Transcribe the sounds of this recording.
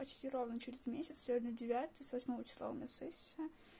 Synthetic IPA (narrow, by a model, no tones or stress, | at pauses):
pɐt͡ɕtʲirovnət͡ɕʊɾʲɪzmʲesʲɪt̪sʲsʲvʲod̪ʲnʲədʲɪvʲat̪ɨsvɐsʲmovət͡ɕɪslˠa̰ʊ̰mʲnʲasɛsʲə